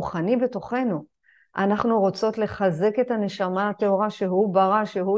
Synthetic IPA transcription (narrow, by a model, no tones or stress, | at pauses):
uχanibe̞to̞χe̞nu | ʔanaχnuʁot͡so̞tle̞χaze̞ke̞tane̞ʃamaate̞o̞ʁaʃeɦubaʁaʃeɦu